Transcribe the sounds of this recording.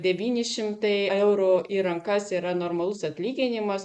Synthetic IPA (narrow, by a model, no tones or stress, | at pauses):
d̪ʲɛʋʲiːnʲɪʃʲɪmt̪ɐɪɛʊɾʊiːɾɐŋkɐsiːɾɐnoːɾmɐlˠʊsɐt̪ʲlʲiːɡʲɪnʲɪmɐs